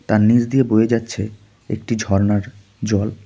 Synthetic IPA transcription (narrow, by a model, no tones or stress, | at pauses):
t̪aɾnid͡ʑd̪iebojed͡ʑatːɕʰe | ḛkʈid͡ʑʱɔɾnaɾ | d͡ʑɔl